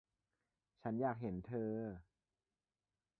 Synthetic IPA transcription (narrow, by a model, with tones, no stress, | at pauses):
t͡ɕʰa˦˥njaː˥˩k̚ɦe˩˦nt̪ʰɤː˧